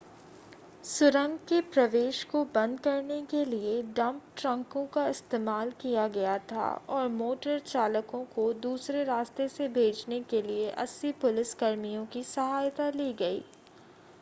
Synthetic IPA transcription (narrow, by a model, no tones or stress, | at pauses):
sʊɾə̃ŋɡkepɾɐʋeːʃkobɐ̃nd̪̚kɐɾnekelieɖɐ̃mp̚ʈɾə̃ŋkõkaɪst̪eːmaːlkijaɡɐjat̪ʰa̰ɔːɾmoːʈəɾt͡ʃaːləkõkod̪uːsɾeɾaːst̪esebʱeːd͡ʒnekelieʔɐ̰sːipʊlɪskɐɾmijõkisɐɦaːjt̪aliːɡɐḭː